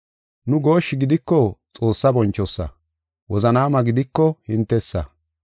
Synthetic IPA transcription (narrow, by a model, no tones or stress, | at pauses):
nʊɡo̞ːʃːɪɡɪd̪ɪkːɔt͡sʼo̞ːsːɐbɔnt͡ʃːɔsːɐ̰ | wɔzɐnaːmɐɡɪd̪ɪkːɔhɪnt̪ːɛsːɐ̰